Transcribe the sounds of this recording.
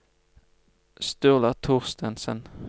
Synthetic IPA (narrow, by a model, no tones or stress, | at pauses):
st̪ʉːʁlɑt̪ʰuːʁst̪ənsə̰n